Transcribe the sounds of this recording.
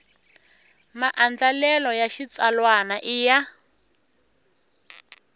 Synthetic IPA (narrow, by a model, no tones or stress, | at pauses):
maʔand͡ɮalɛlɔjaʃit͡salwanaʔija